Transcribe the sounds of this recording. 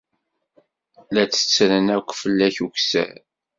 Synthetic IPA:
læt͡sːə̥t͡sːɾənækʷːfəlːæçuksæ̰ɾ

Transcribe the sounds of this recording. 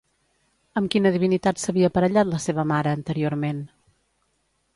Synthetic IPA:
əmkinəðiβ̞init̪at̪səβiəːpəɾəʎat̪ləseβ̞əmaɾəːnt̪əɾioɾmen

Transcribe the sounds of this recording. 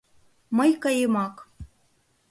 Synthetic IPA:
mɤjkɑjemɑk

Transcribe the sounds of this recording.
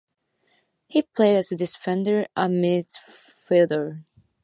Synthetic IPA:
hipʰl̥eɪɾɨzɨdɨsfɛ̃ndə˞ʔəmɪd | fɪlˠdə˞

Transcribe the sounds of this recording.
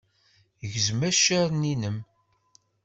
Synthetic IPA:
jəʝzmæʃæɾninəm

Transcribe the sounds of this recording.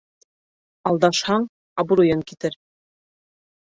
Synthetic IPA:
ɑlˠd̪ɑʃhɑɴ | ɑbŭɾujɤŋkit̪ɘɾ

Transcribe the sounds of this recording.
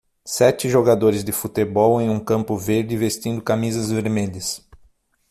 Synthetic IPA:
sɛt͡ʃɪʒoɡad̪oɾɪzd̪ɪfut̪ebɔwẽj̃ũkɐ̃mpʊveɾd̪ɪvest̪ĩnd̪ʊkamizɐzveɾmeʎɐs

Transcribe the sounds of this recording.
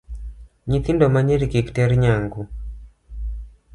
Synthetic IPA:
ɲit̪indɔmaɲɛɾikiki̥tɛɾiɲaŋɡu

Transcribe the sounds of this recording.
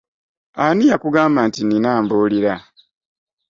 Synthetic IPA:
anijakuɡaːmbantininaːmboliɾa

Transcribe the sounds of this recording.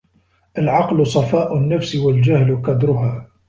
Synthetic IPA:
ʔalʕɑqlʊsˤɑfɑːʔʊnːafsɪwald͡ʒahlqɑd̪ɾʊɦaː

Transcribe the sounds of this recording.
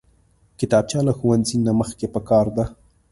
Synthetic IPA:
kɪt̪ɑb̚t͡ʃjɑlaxuwanzinaməxkepəkɑɾd̪a

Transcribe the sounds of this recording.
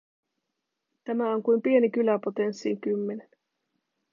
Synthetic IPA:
t̪æmæo̞ŋkujmpie̞nikylæpo̞t̪e̞nsːiŋkymːe̞nen

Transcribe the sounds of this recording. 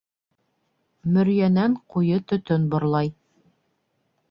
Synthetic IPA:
mɵ̆ɾjænæɴqujɤt̪ɵ̆t̪ɵnbŏɾlˠɑj

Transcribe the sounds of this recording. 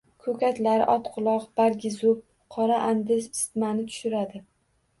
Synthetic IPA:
kʰɵkʲʰat̪laɾɪ̰ʔɒt̪qʰʊlˠɒqb̥aɾɡʲɪzʊp̚ | qʰɒɾaʔand̪ɪssɪ̥t̪manɪt̪ʰʊ̥ʃɪɾad̪ɪ

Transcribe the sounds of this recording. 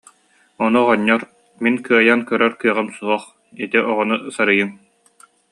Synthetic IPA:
ɔnuʁɔɲːɔɾ | minkɯɐjankœɾœɾkɯɐʁɯmsuɦɔχ | it̪iʔɔʁɔnusaɾɯjɯŋ

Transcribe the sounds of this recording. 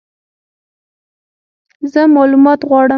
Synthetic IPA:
zəmɑlumɑt̪ɣwɑɽə

